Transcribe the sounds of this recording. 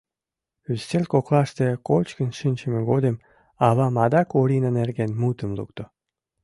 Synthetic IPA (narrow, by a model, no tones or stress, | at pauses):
yst̪elʲkoklˠɑʃt̪ekot͡ɕkənʃinʲt͡ɕə̆meɡod̪em | ɑβɑmɑd̪ɑkuɾʲinənerɡenmut̪əmlṵkt̪o